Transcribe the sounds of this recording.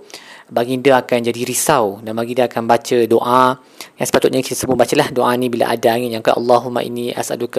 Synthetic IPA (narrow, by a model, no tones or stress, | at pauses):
baɡindəakand͡ʒadiɾisawdanbaɡindəakanbat͡ʃədoʔa | jaŋsə̥pat̪ʊt̪̚ɲaki̥t̪asəbubat͡ʃəlahdoʔainĩbila̰ʔa̰daːŋijaŋkaʔa̰lːaɦuma̰ʔḭnːĩʔa̰sa̰duka